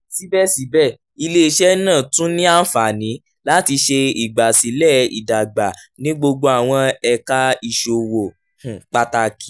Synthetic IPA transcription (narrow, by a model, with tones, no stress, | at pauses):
si˨˦bɛ˦si˨˦bɛ˦˨ | i˧le˦i˧ʃɛ˦nãː˦˨tũ˦nĩ˦a˦n̩˦fa˨nĩ˨˦ | la˦ti˧ʃe˧i˨ɡ͡ba˨si˨˦lɛ˦˨ḭ˨da˨ɡ͡ba˨ | nĩ˦ɡ͡bo˧ɡ͡bo˧a˨w̃ɔ̃˧ɛ˧ka˧i˧ʃo˨wo˨ | hũ˨k͡pa˧ta˧ki˨